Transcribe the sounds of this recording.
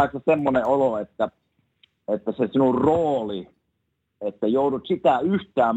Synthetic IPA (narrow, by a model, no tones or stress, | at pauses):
iksesemːoneoloet̪ːæ | et̪ːæsesinurroːli | et̪ːæjouɾut̪sit̪æyht̪æːm